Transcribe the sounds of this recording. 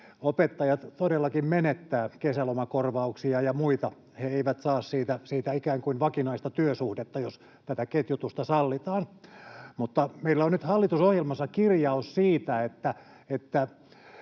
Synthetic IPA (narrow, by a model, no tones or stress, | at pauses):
opet̪ːɑjɑt̪t̪odelːɑkimmenet̪ːæːkesælomɑkorʋɑuksiɑjɑmuit̪ɑ | heeiʋæt̪sɑːssiːt̪æsiːt̪æikæːŋkuinʋɑkinɑist̪ɑt̪yøsuhdet̪ːɑjos | t̪æt̪æket̪jut̪ust̪ɑsɑlːit̪ɑːnmut̪ːɑmeilːæonnyt̪hɑlːit̪usohjelmɑsːɑkirjɑussiːt̪æet̪ːæ | et̪ːæ